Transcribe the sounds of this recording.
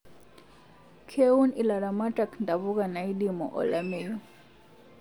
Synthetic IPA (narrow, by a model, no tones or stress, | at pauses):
kʰeunilaɾamaʈakndaβuɣanaidimɔ̰ʔɔ̰lameju